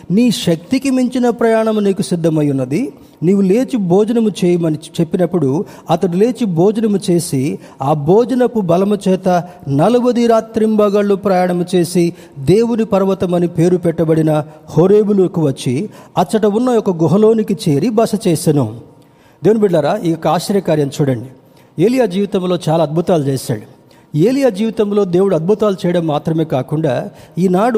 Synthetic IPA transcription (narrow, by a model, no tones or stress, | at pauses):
niːʃɐk̚t̪ikimiɲt͡ʃinɐpɾɐjaːɳɐmuniːkusid̪ʱːɐmɐjunːɐd̪i | niːʋːule̞ːt͡ʃibʱoːd͡ʒɐnɐmut͡ʃɛːjɐmɐnit͡ʃe̞pːinɐpːuɽu | ɐt̪ɐɽule̞ːt͡ʃibʱoːd͡ʒɐnɐmut͡ʃe̞ːsi | aːbʱoːd͡ʒɐnɐkubɐlɐmut͡ʃɛːt̪ɐ | nɐlubɐd̪iɾaːt̪ɾimbɐːɡɐɭːupɾɐːjaːɳɐmut͡ʃe̞ːsi | d̪eːwunipɐɾʋɐt̪ɐmɐnipe̞ːɾupɛʈːɐbɐɽinɐhoːɾeːbulukiʋɐt͡ʃːiɐt͡ʃːɐʈɐunːɐjɔkɐɡɔɦɐlo̞ːnikit͡ʃe̞ːɾibɐʂɐt͡ʃeːʃɐnu | d̪ewunibiɖlɐɾaːijokːɐaːʃɐɾjɐkaːɾjɐmt͡ʃuːɽɐɳɖi | e̞ːlijaːd͡ʒiːʋit̪ɐmlo̞ːt͡ʃaːlaːd̪̚bʱut̪aːlut͡ʃɛːsa̰ːɽu | eːlijaːd͡ʒiːʋit̪ɐmlo̞ːd̪e̞ːwuɽuɐd̪̚bʱut̪aːlut͡ʃɛːjɐɽɐmːaːt̪ɾɐme̞ːkaːkuɳɖaːiːnaːɽu